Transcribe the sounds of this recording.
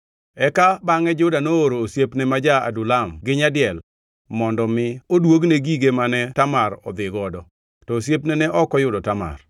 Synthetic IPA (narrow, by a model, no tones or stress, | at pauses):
ɛkabaŋɛd͡ʒʊdanooɾoːsjepnɛmad͡ʒaa̰dʊlamɡɪɲadɪɛl | mɔndɔmɪodwoɡneɡiɡemanɛtamaɾɔ̰d̪ɪɡɔdɔ | tɔosjepnɛnɛʔɔkɔjʊdɔtama̰r